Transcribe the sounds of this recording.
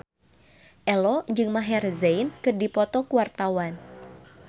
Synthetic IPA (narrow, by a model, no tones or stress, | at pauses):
ʔɛlɔd͡ʒɨŋmaɦɛrzejnkɨrdipɔt̪ɔkuwart̪awan